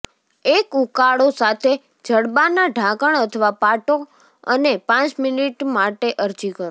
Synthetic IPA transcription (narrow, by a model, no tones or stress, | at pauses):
ekukaɭosat̪ʰe | d͡ʒəɽbanaɖʱãkəɳət̪ʰəʋapaʈo | ə̰nepãt͡ʃminiʈmaʈeʔəɾd͡ʒikəɾ